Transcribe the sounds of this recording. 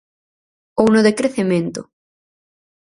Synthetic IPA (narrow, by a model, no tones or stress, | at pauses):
ownoðekɾeθemẽnt̪ʊ̰